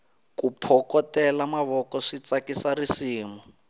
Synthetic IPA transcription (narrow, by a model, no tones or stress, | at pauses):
kupʰɔkɔtɛlamaβɔkɔʂit͡sakisarisiːmɔ